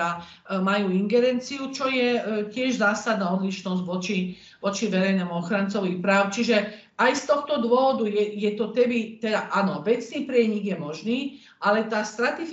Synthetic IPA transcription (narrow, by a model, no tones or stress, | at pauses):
a | majuːiŋɡɛɾɛnt͡siut͡ʃɔjɛcɪɛʒzaːsad̪naːɔd̪liʃnɔzɟʋɔt͡ʃi | ʋɔt͡ʃiʋɛɾɛjnɛmuɔxɾant͡sɔʋixpɾaːʊt͡ʃiʒɛ | ajst̪ɔxt̪ɔd̪ʋʊɔʋɔd̪ujɛjɛt̪ɔt̪ɛbit̪ɛd̪aʔanɔʋɛt͡sniːpɾɪɛɲiɡjɛmɔʒniː | ʔalɛt̪aːst̪ɾat̪ɛ